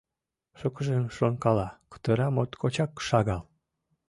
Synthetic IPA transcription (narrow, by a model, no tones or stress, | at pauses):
ʃəkəʒemʃonkɑlɑkə̥t̪əɾɑmot̪kʰot͡ɕɑkːʃɑɣɑl